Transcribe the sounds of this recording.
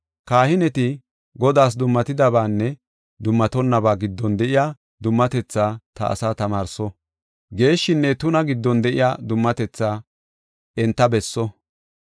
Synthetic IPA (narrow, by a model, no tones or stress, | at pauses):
kaːhɪnɛt̪ɪ | ɡɔd̪aːs̬d̪ʊmːɐt̪ɪd̪ɐbaːnːɛ | d̪ʊmːɐt̪ɔnːɐbaːɡɪd̪ːɔnd̪ɛʔɪjaː | d̪ʊmːɐt̪ɛt͡sːaːt̪ɐʔɐ̰saːt̪ɐmaːɾsɔ | ɡe̞ːʃːɪnːɛt̪ʊnɐɡɪd̪ːɔnd̪ɛʔɪ̰jaːd̪ʊmːɐt̪ɛt͡sːaː | ʔɛnt̪ːɐbɛsːɔ